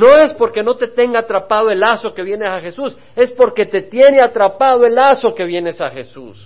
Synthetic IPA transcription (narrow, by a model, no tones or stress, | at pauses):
no̞e̞spo̞ɾke̞no̞t̪e̞t̪e̞ŋɡaːt̪ɾapaðoe̞laso̞ke̞βje̞nesaxe̞sus | e̞spo̞ɾke̞t̪e̞t̪je̞neat̪ɾapaðoe̞laso̞ke̞βjene̞saxe̞sṵs